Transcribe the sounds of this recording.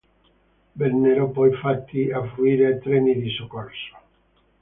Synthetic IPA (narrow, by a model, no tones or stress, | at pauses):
benːeɾopɔjfat̪ːiafɾuiɾat̪ɾeniðisokoɾso̥